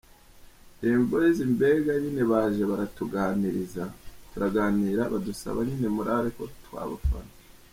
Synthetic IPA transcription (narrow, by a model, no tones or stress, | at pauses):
imbojezimbe̞ːɡaɲine̞βaːʒeβaɾatuɡaːniɾizatuɾaɡaːniːɾaβadusa̰βaɲine̞muɾaɾeko̞twa̰ːβa̰fa̰na